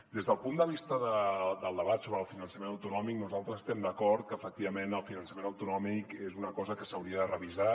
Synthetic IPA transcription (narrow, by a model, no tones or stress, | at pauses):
d̪ezðəlˠpund̪əβ̞ist̪əðəd̪əlˠd̪əβat̪soβɾəːlˠfinənsəmenəwt̪unɔmik̚nuzalˠt̪ɾəzəst̪ɛmd̪əkɔɾt̪̚kəːfək̚t̪iβəmenəlˠfinənsəmenəwt̪unɔmikezunəkɔzəkəsəwɾiəðərəβiza